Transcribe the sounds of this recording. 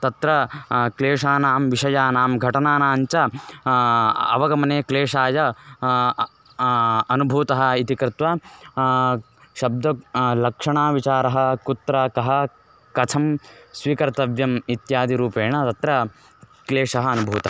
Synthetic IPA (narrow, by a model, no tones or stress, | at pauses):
t̪ɐt̪ɾɐkleːʂaːɐnaːmʋiʃɐjaːnaːmɡʱɐʈɐnaːnaːɲt͡ʃɐ | ɐ̰ʋɐɡɐmɐneːkleːʂaːjɐ | ɐnubʱuːt̪ɐɦɐ̆it̪ikɾɪt̪ʋɐ | ʃɐb̚d̪ʱɐlɐkʂɐɳaːʋit͡ʃaːɾɐɦɐ̆kut̪ɾɐkɐɦɐ̆ | kɐtʰɐmsʋiːkɐɾt̪ɐʋjɐmit̪jaːd̪iɾuːpeːɳɐt̪ɐt̪ɾɐ | kleːʂɐɦɐɐnubʱuːt̪ɐɦɐ